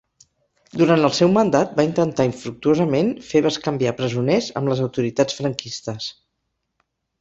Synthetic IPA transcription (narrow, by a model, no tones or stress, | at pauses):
d̪uɾant̪əlˠsɛwmənd̪at̪̚baint̪ənt̪aiɱfɾuk̚t̪uozəmenfeβəskəmbiapɾəzunɛzə̰mləzəwt̪uɾit̪at͡sfɾəŋkist̪əs